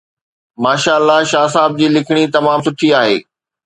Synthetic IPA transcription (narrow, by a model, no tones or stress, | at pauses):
maːʃaːəlːaʃaːs̬aːb̚d͡ʑiːlɪkʰɪɽ̃it̪ɐmaːmsʊʈʰiaːɦḛː